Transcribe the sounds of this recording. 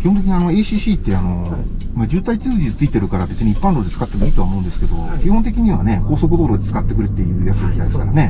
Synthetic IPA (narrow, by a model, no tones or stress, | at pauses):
kʲi̥hont̪ekʲiɲ̟iano̞eɕiːɕiːt̪ːe̞ano̞mad͡ʑɨːt̪ait͡sɨːd͡ʑit͡sɨit̪e̞ɾɯ̟kaɾabe̞t͡sɨɲ̟iipːãnɾod̪et͡sɨ̥kat̪ːemoiːt̪o̞amo̞ɯ̟̃nd̪esɨ̥ke̞d̪o̞̰kʲiɦõnt̪e̞kʲiɲ̟iβa̰ne̞ko̞ːso̞k̬ɯd̪o̞ːɾo̞d̪ʲet͡sɨ̥kat̪ːe̞kɯ̟ɾɯt̪ːe̞jɯ̟ːjat͡sɨoɡʲit̪ajd̪esɨ̥kaɾane̞